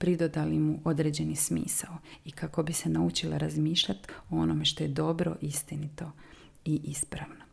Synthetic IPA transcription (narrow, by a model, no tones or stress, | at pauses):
pɾid̪od̪alimuʔo̞d̪ɾeːd͡ʑe̞nismḭːsaoikako̞bise̞naut͡ʃilaɾazmiːʃʎat̪oo̞nome̞ʃt̪o̞je̞d̪o̞bɾo̞̰ʔist̪init̪o̞ | iʔispɾaʋno